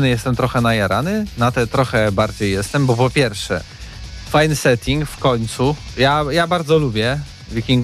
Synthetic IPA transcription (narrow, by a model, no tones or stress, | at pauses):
nɘjɛst̪ɛmt̪ɾɔxɛnajaɾa̰nɘnat̪ɛt̪ɾɔxɛbaɾd͡ʑejːɛst̪ɛmbɔpɔpʲjɛɾfʂɛ̰ | fajnɘsɛt̪ʲʰiŋkfkɔɲt̪sujajabaɾd̪zɔlubʲjɛ | vʲikʲiŋɡ